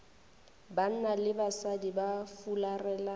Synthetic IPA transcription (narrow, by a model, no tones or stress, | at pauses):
ban̩nalɪbasadibafularɛːla